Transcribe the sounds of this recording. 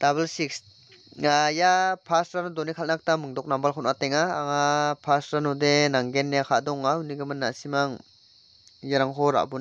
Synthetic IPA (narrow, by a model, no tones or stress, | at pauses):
d̥abelsiks | ajapʰastɾanɔdɔnikʰalnak̚tamɯŋdɔk̚nambalkʰɔnateŋaːŋapʰasɾanɔdenaŋɡenːjakʰadɔŋauniɡɯmɯnːasimaŋ | jaɾaŋɦɔɾa̰ʔbun